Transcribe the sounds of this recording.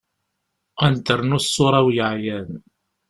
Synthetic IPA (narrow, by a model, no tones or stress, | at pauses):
ænt̪əɾnusːʊɾˤæwjəʕjæn